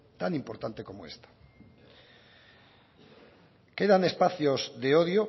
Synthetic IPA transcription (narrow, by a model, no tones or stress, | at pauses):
t̪anĩmpoɾt̪ant̪ekomoest̪ḁ | keðanespaθjozðeoðjo